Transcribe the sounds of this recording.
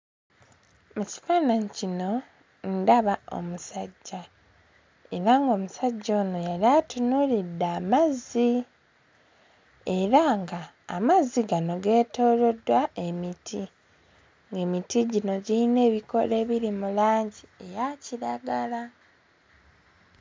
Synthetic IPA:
muci̥faːnaɲcino̞ | n̩daβao̰musaɟːa | e̞ɾaŋɡo̞ːmusaɟːo̞ːnojaliatunulidːamazi | e̞ɾaŋɡa̰ː | mazːiɡano̞ɡe̞ːto̞ːlo̞dwae̞mitʰi | ŋɡe̞ːmitiɟino̞ɟiine̞ːβiko̞leːβiɾimulaːɲɟie̞jaciɾaɡala

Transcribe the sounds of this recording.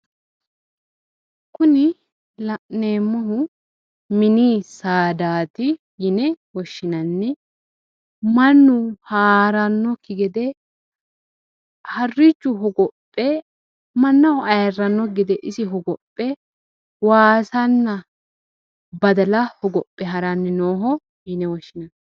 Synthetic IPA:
kʊnɪ | lɐʔneːmːɔɦʊ | mɪniːsaːd̪aːt̪ɪ | jɪnɛwɔʃːɪnɐnːɛ | mɐnːʊhaːɾɐnːɔkːɪɡɛd̪ɛ | hɐrːɪt͡ʃːʊɦɔɡɔpʼːɛ | mɐnːɐhʊɐjɐrːɐnːɔɡɛd̪ɛʔɪsɪɦɔɡɔpʼːɛ | waːsɐnːɐ | bɐd̪ɐlɐhɔɡɔpʼːɛɦɐɾɐnːɛnoːɦɔ | jɪnɛwɔʃːɪnɐnː

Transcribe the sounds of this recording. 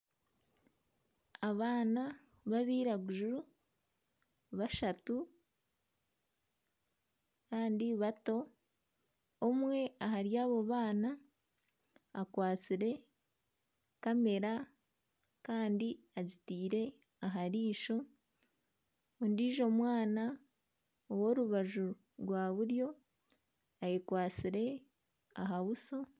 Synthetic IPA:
aβaːna | βaβiːɾaɡuʒuɾu | βaʃatu | kaːndiβato̞ | mwe̞aɦaɾjaːβo̞βaːna | kwaːt͡siɾe̞ | kame̞ɾa | kaːndi | azitiːɾe̞ | aɦaɾiːʃo̞ | ondiːʒo̞mwaːna | owo̞ːɾuβaʒu | ɾwaːβuɾjo̞ | ajekwaːt͡siɾe̞ | a̰ɦaβuso̞

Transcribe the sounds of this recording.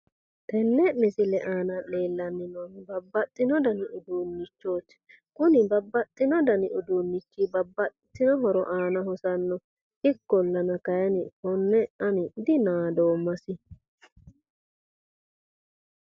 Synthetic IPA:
t̪ɛnːɛmɪsɪlɛʔaːnɐleːlːɐnːɪnonbɐbːɐt̪ʼːɪnɔd̪ɐnɪʔʊd̪unːɪt͡ʃːoːt̪ː | kʊnɪbɐbːɐt̪ʼːɪnɔd̪ɐnɪʊd̪uːnːɪt͡ʃːibɐbːɐt̪t̪ːɪnɔɦɔɾɔʔaːnɐɦɔsɐnːɔ | ɪkːɔlːɐnɐkɐjɐnɪhɔnːɛʔɐnɪd̪ɪnaːd̪oːmːɐsɪ

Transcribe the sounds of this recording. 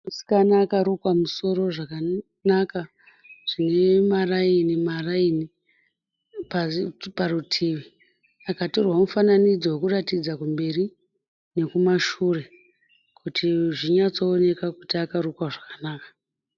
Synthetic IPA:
musi̥kanakaɾukwamuso̞ɾo̞ʐaka | naka | ʐ̥ine̞marainimaraini | paparutʰiʋi | akatorwamufananid͡zowokuratid͡zakumbe̞ri | ne̞kumaʃure̞ | kʰutiʐiɲat͡soːne̞kakutiakaɾukwaʐakanaːkḁ

